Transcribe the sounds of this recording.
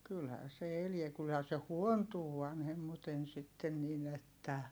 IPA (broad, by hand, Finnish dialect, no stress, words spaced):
kylhæː se eliɛ kylhæː se huontuː ʋɑnhemːuten sitːen nin etːæ